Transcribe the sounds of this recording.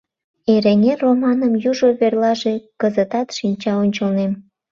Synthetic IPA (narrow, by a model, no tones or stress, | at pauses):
eɾeŋeromɑnəmjuʒoβerlɑʒekəzət̪ɑt̪ʃinʲt͡ɕɑonʲt͡ɕəlnem